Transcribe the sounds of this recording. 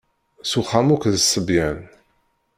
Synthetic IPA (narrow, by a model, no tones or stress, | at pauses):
suχamukðəsːəbjæn